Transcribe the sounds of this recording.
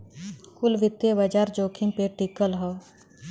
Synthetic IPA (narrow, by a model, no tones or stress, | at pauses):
kʊlʋɪt̪ːebad͡ʒaːɾd͡ʒoːkʰɪ̃ŋpeːʈikəlɦoː